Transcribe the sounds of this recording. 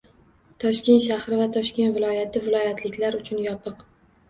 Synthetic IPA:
t̪ʰɒʃkʲe̞nt̪ʃahɾɪvat̪ʰɒʃkʲe̞nvɪlˠɒjat̪ʰɪvɪlˠɒjat̪ʰlɪkʲlaɾʊt͡ʃʰʊnjɒpʰɨq

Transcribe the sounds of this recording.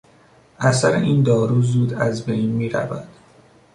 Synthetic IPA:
ʔæsæɾḛʔiːnd̪ɒːɾuːzuːd̪æzbe̞jnmiːɾæ̰væ̰d̪̥

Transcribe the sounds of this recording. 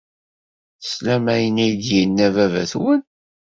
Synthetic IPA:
slæmæjənæjd̪jinːævævæθwən

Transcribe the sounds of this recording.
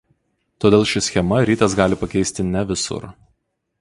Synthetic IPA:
t̪oːd̪ʲeːlˠʃʲɪsʲxʲɛmɐɾʲiːt̪ɐs̬ɡɑːlʲɪpɐkʲɛɪsʲt̪ʲɪnʲɛʋʲɪsʊ̰ɾ

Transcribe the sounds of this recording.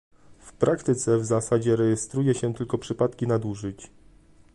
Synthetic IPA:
fpɾʔakt̪ɘt̪sɛvzasad͡ʑɛɾɛjɛst̪ɾujɛɕɛt̪ɘlkɔpʂɘpat̪kʲinad̪uʐɘt͡ɕ

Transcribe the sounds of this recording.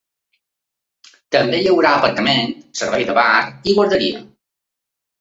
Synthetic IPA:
t̪əmbeʎəwɾaəpəɾt̪əmensəɾβɛjðəβariβoɾðəɾiə

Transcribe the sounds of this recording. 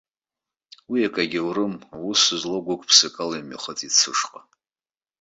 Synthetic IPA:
wiakʼaɡʲɪwrɨmawusɨzloɡʷʊkʼpʰsɨkʼalajma̰χət͡sʼit͡sʰɨʂqʼa

